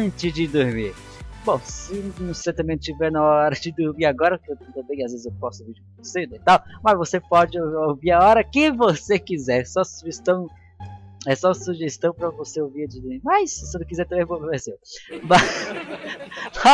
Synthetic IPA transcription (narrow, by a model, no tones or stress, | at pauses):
t͡ʃɪzd͡ʒɪd̪ʊɾmiɾbõw̃sɪnʊ̃set̪ɐ̃mbẽñt͡ʃivɛɾnɐɔɾɐd͡ʒɪd̪uɾmiɾaɡɔɾɐkɪew̪ẽt̪ẽd̪ẽjkɪazvezɪzepɔsʊviɾd͡ʒkõesed̪ɐit̪awmɐzvosepɔd͡ʒɪowviɾaɔɾɐkɪvosekizɛɾsɔsuʒest̪ɐ̃w̃ | ɛsɔsuʒest̪ɐ̃w̃pɾɐvoseoviɐd͡ʒɪd̪ʊɾmiɾmajssenɐ̃wkizɛɾt̪ɐ̃mẽj̃pokvɛsewma